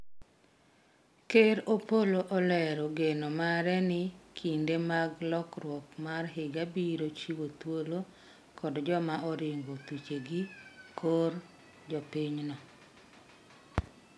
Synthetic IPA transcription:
keɾopoloʔɔlɛɾɔɡenomaɾɛnɪkʰindemaɡlɔkɾwɔkmarɦɪɡabiɾot͡ʃiwot̪wolo | kɔdd͡ʒɔmaʔɔɾɪŋɡot̪ut͡ʃeɡikʰoɾ | d͡ʒɔpiɲnɔ

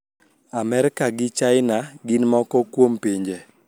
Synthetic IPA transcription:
amɛɾɪkaɡɪt͡ʃaɪnaɡɪnmɔkɔkwompiɲd͡ʒe

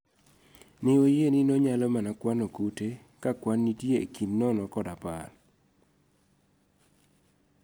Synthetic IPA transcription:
nɪojenɪnɔɲalɔmanakwanokute | kakwanːitjḛkinːɔnɔkɔdapa̰l

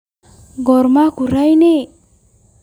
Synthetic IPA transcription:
ɡɔɾmakuɾajne

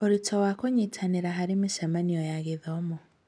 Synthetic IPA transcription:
oɾitʰɔwakoɲitʰaniɾaɦaɾimiʃemaniɔjaɣiðɔmu

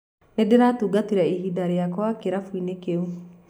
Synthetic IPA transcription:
nedeɾatuɡatiɾaiɦidaɾejakwakeɾafuinekeu

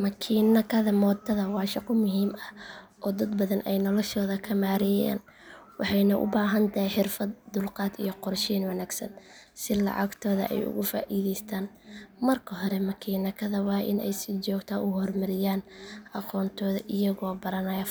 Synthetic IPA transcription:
mɐkʰiːnɐkʰɐðɐmɔːd̪ɐðɐwɑːʃɑqɔmʊɦiːmɐ | ʔɔːd̪ɐd̪bɐðɐnʔɛjnɔlɔʃɔːðɐkʰɐmaːɾɪja̰ːn | wɑħɑjnɐʔʊ̰baːɦɐnt̪ʰɐɦiħɪrfɐd̪̚d̪ʊlqɑːd̪ijɔqɔrʃiːnwɐnaːɡsɐ̰n | sɪlɑ̰ʕɑ̰ɡt̪ʰɔːðɐ̰ʔɛ̰jʊ̰ɣʊfa̰ːʔiːðɛjst̪ʰaːn | mɐrkʰɐɦɔɾɛmɐkʰiːnɐkʰɐðɐwɑːʔɪ̰nɛ̰jsɪt͡ʃɔːɡt̪ʰɐʔʊhɔrmɐɾɪjaːnʔɑqɔːnt̪ʰɔːðɐʔɪjɐɣɔːbɐɾɐnɐjɐ

